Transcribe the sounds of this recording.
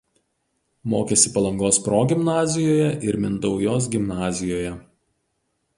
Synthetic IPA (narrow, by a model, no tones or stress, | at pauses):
moːkʲeːsʲɪpɐlˠɐŋɡoːspɾoːɡʲɪmnɑːzʲɪjoːjɛʔɪɾmʲɪnd̪ɒʊjoːs̬ɡʲɪmnɑːzʲɪjoːjɛ